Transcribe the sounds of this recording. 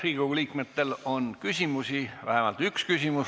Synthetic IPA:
riːɡuliːkmet̪ːe̞lo̞nkysʲimusivæ̰hemɑlt̪ykskysʲimu

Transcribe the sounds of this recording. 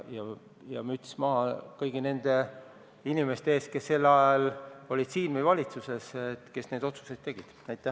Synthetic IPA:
jɑ | jɑ̰myt̪ʲːsmɑɦɑkɤjɡine̞nd̪̥e̞ | inime̞st̪eeːst̪̚ke̞sːe̞lːɑjɑlo̞lʲid̪̥siːnmejvɑlʲit̪suse̞set̪ke̞sne̞d̪o̞t̪su̥se̞jd̪ːe̞ɡ̥id̪̥æjt̪ːˑæ

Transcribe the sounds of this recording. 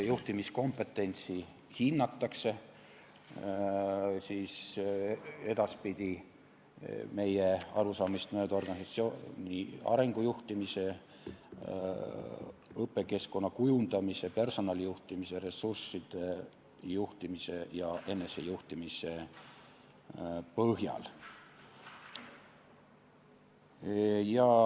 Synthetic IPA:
juht̪imisko̞mpːe̞t̪ːˑe̞nʲt̪si | hinːɑt̪ːɑkse̞ | siːs | e̞d̪̥ɑspid̪̥ʲi | me̞jeɑɾusɑːmist̪mø̞ːd̪̥o̞rɡ̥ɑnʲisɑt̪sioniɑ̰ɾe̞ŋɡ̥ujuht̪imise̞ | ɤpːˑe̞ke̞sko̞nːɑkujund̪̥ɑmise̞pe̞rso̞nɑlʲijuht̪imise̞ɾe̞sursːid̪̥e̞ | juht̪imise̞jɑʔe̞nːe̞sejuht̪imise̞ | pɤɦjɑ̰l | jɑ

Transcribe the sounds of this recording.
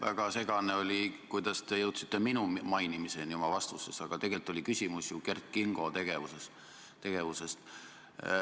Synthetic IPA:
væ̰ɡ̥ɑse̞ɡɑne̞o̞lʲikujd̪̥ɑst̪e̞jɤwt̪si̥t̪ːˑe̞minumɑjnimise̞njomɑvɑst̪usesɑɡ̥ɑt̪e̞ɡe̞lt̪ˑːo̞likysʲimusjuke̞rt̪̚kiŋɡ̥ot̪e̞ɡ̥e̞vuses | t̪e̞ɡ̥e̞vuse̞st̪

